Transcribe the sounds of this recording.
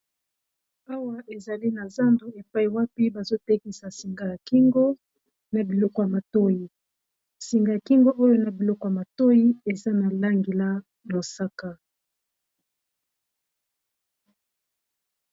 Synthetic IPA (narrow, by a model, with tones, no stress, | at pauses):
a˦wa˦ʔe˨za˨li˦na˨za˦ndu˨e˨pa˦i˨wa˦pi˦ba˨zo˦tɛ˦ki˨sa˨si˨ŋɡa˨ja˨ki˦ŋɡo˦ | na˨bi˨lɔ˦kɔ˨ja˨ma˨to˦ji˨ | si˨ŋɡa˨ja˨ki˦ŋɡo˦ʔo˦jo˦na˨bi˨lɔ˦kɔ˨ja˨ma˨to˦i˦e˨za˦na˨la˦ŋɡe˨la˦ | lo˨sa˦ka˨